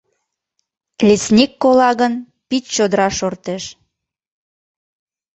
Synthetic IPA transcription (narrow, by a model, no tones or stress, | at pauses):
lʲesnʲikːolɑɣən | pit̪t͡ɕod̪əɾɑʃort̪eʃ